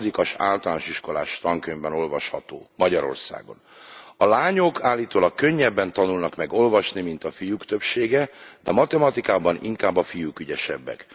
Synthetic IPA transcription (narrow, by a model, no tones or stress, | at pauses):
d̪ikɒʃa̰ːlt̪ɒlaːnoʃiʃko̞la̰ːʃt̪ɒŋkøɲbɛno̞lvɒʃhɒt̪o̰ːmɒɟɒɾo̞̰rsa̰ːɡo̞n | ɒlaːɲo̞kʰaːlːiːt̪oːlɒkːøɲːɛbːɛnt̪ɒnulnɒkmɛɡo̞lvɒʃnimint̪ɒfijukt̪ø̞pʃeːɡɛd̪ɛmɒt̪ɛmɒt̪ikaːbɒnḭŋkaːbːɒfijukyɟɛʃɛ̰bːɛ̰k